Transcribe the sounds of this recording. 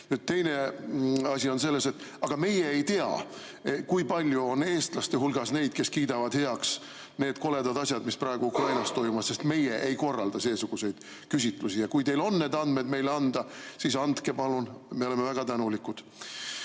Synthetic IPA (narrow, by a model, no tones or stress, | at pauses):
nyt̪t̪e̞jne̞ | ɑsʲio̞nse̞lːe̞se̞t̪ːˑ | ɑɡ̥ɑme̞jeejt̪eɑ̰ | kujpɑlʲjuo̞ne̞ːst̪lɑst̪e̞ɦulɡ̥ɑsne̞jd̪̥ke̞skiːd̪ɑvɑd̪̥he̞ɑks | ne̞ːd̪̥ko̞le̞d̪ɑd̪ɑsʲjɑd̪misprɑeɡ̥uukrɑjnɑst̪o̞jmumɑsse̞st̪me̞jeʔejko̞rːɑld̪̥ɑse̞ːsuɡ̥use̞jd̪̥ | kysʲit̪ˑlusijɑkujt̪e̞jlo̞nːe̞ːd̪ɑnd̪̥me̞d̪me̞jleɑnd̪̥ɑsisɑnd̪ke̞pɑlunme̞o̞lemevæɡ̥ɑt̪ænulikud̪̥